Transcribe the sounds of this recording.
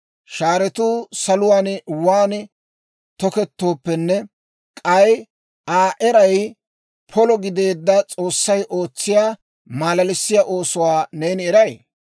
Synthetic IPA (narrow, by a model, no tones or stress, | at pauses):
ʃaːɾɛt̪uːsɐlʊwaːnwaːn | t̪ɔkɛt̪ːo̞ːpːɛnːɛ | kʼɐj | aːʔɛɾɐj | pʰɔlɔɡɪd̪e̞ːd̪ːɐt͡sʼo̞ːsːɐjʔoːt͡sːɪjaː | maːlɐlɪsːɪjaːʔo̞ːsʊwaːne̞ːnɛɾɐj